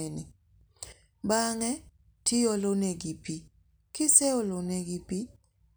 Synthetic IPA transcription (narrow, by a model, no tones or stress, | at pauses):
enɪ | baŋɛ | tʰɪoloneɡipi | kɪsɛoloneɡipi